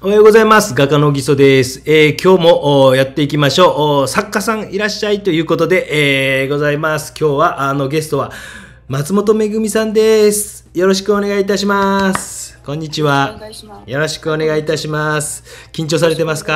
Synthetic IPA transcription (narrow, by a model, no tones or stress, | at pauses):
ohajo̞ːɡo̞zaimasɨɡakano̞ɡʲiso̞d̪e̞sɨ̥ekʲo̞ːmo̞ʔjat̪ːe̞ikʲimaɕo̞ːʔsakːasãɰ̃iɾaɕːait̪o̞jɯ̟ːko̞t̪o̞d̪e̞ʔeɡo̞zaimasɨ̥kʲo̞ːβaʔano̞ɡe̞sɨ̥t̪o̞βa | mat͡sɨmo̞t̪o̞me̞ɡɯ̟mʲisãnd̪e̞sɨ̥ | jo̞ɾo̞ɕi̥kɯ̟o̞ne̞ɡait̪aɕimasɨ̥kõ̞ɲ̟ːit͡ɕiβajo̞ɾo̞ɕi̥kɯo̞ne̞ɡait̪aɕimasɨ̥kʲĩɲt͡ɕo̞ːs̬aɾe̞t̪e̞masɨ̥ka